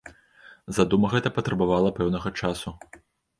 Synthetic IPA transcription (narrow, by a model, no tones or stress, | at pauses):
zad̪umɐɣɛt̪ɐpɐt̪ɾɐbavalˠɐpɛwnɐɣɐt͡ʂasu